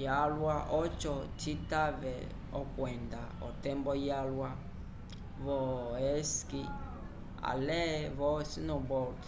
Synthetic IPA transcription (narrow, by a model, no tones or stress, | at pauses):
jalwaʔɔt͡ʃɔtitavɛ | ɔkwɛndaɔtɛmbɔjalwa | vɔɛski | a̰lɛvɔsinɔbɔk